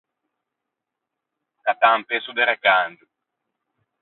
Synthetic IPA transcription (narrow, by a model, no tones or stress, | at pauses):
kat̪ampesud̪eɾekand̪u